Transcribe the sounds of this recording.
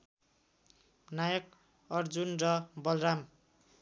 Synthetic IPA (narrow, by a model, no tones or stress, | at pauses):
najʌk̚ | ʌrd͡zunrʌbʌlram